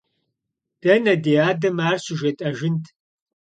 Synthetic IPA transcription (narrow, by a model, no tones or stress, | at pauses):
d̥ɐnɐdeːaːdɐmaːrɕɪʒɐtʼɐʒɪntʰ